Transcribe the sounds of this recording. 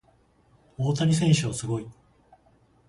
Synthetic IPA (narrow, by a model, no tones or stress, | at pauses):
oːt̪aɾʲis̬ẽ̞ɰ̃ɕɨasɨɡo̞i